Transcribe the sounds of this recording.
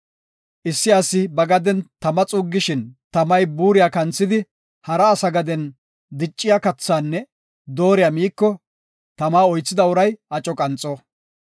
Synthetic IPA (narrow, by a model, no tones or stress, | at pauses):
ʔɪsːɪɐsːɪbɐɡɐd̪ɛnt̪ɐmɐt͡sʼuːɡːɪʃɪnt̪ɐmɐjbuːɾɪjaːkɐnt͡sːɪd̪ɪ | hɐɾɐːsɐɡɐd̪ɛn | d̪ɪt͡ʃʼːɪjaːkɐt͡sːaːnːɛ | d̪oːɾɪjɐmiːkːɔ | t̪ɐmaːɔjt͡sːɪd̪ɐʊɾɐjʔɐt͡ʃʼɔkʼɐnt͡sʼːɔ